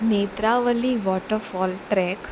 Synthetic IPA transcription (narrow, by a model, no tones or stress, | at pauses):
neːt̪ɾaːʋɐlːiʋɔːʈəɾfɔːlʈɾɛk